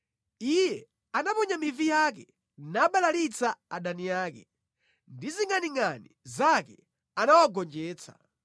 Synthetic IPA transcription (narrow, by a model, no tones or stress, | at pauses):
ijɛ | anapɔɲamivijak̬ɛ | naːɓalalit͡saaɗanijaːkɛ | ndiziŋaniŋanizakɛ̰ | anawaɡɔnd͡ʒɛːt͡sʰḁ̰